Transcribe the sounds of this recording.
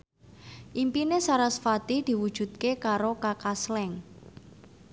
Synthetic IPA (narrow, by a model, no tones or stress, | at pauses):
ʔimpinesaɾasfat̪id̪̥i̤wud̥ʒ̥ṳt̪̚kekaɾokakaslɛŋ